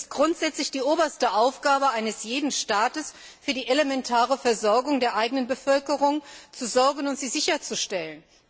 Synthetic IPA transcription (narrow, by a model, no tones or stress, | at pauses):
ɪstɡ̥ʁʊntz̥ɛt͡slɪçd̥iːʔoːbɐstəʔaʊfɡ̥aːbəʔaɪnəsjeːdn̩ʃtaːtəs | fyːɐdiːʔelemɛntʰaːʁəfɛɐzɔɐɡʊŋdeːɐʔaɪɡənənbəfœlkəʁʊŋt͡suzɔɐɡən̩ʊntz̥iːzɪçɐt͡suʃtɛlən